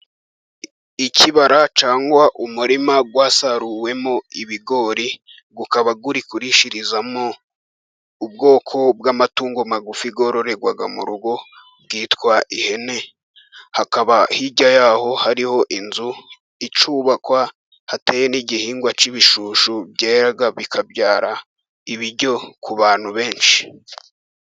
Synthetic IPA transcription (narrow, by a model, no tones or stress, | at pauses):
icʰiβaɾat͡ʃaːŋɡwaʔumuɾimaɡwaːsaɾuwe̞moiβiɡo̞ːɾi | ɡukaβaɡuɾikuɾiʃiɾizamo | ub̚ɡo̞ːkʰo̞bɡamatuːŋɡomaɡufiɡo̞ːɾo̞ɾe̞ɡwaɡamṵɾuɡo̞ | bɡiːtkwaʔihe̞ne̞ | hakaβahiɟajaːho̞haɾiho̞ʔinzu | it͡ʃuːβakwa | hateːjeniɟihiːŋɡwat͡ʃiβiʃuːʃubɟeːɾaɡaβikʰabɟaːɾa | iβiɾɟo̞kʰuβaːn̥huβe̞ːnʃi̥